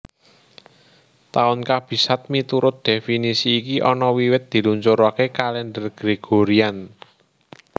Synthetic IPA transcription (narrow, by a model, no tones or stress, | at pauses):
t̪aʊnkab̥i̤sat̪̚mit̪uɾʊt̪̚d̪̥efinisiːkiʔɔnɔwiwɪt̪̚d̪̥i̤luɲt͡ʃoɾoakekalɛndərɡ̥ɾeɡ̥o̤ɾian